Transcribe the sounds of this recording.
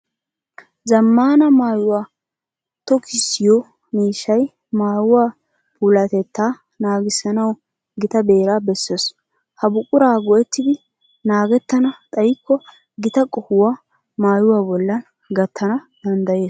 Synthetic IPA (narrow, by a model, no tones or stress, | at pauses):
zɐmːaːnɐmaːjʊwaː | t̪ɔkɪsɪjɔ | miːʃːɐj | maːjʊwaː | pʰuːlɐt̪ɛt̪ːaː | naːɡɪsːɐnɐw | ɡɪt̪ɐbe̞ːɾaːbɛsːes | hɐbʊkʼːʊɾaːɡɔʔɛt̪ːɪd̪ɪ | naːɡɛt̪ːɐnɐt̪ʼɐjɪkːɔ | ɡɪt̪ɐkʼɔhʊwaː | maːjʊwaːbɔlːɐn | ɡɐt̪ʰːɐnɐ | d̪̥ɐnd̪ɐje̞ːs